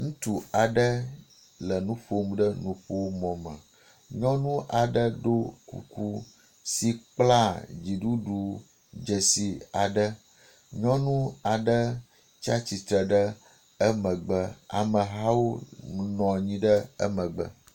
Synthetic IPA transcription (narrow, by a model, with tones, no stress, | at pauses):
ŋũ˦t̪u˨a˨ɖə˦ | lə˨nũ˦ɸo˦mũ˦ɖə˦nũ˨ɸo˦wo˦mɔ̃˨mə̃˨ | ɲɔ̃˦nũ˦ʔa˨ɖə˦do˦kṵ˨ku˦ | si˨k͡pla˦d͡ʑi˨ɖu˦ɖu˨ | d͡ʒə˨si˨a˨ɖə˦ | ɲɔ̃˦nũ˦a˨ɖə˦ | t͡ʃa˦t͡ɕi˨t̪ɾə˨ɖə˦ | ə˦mə̃˨ɡ͡bə˦a̰˨mə̃˨ɦa˦wo˦nɔ̃˨ɲĩ˦ɖə˦ə̰˦mə̃˨ɡ͡bə̰˨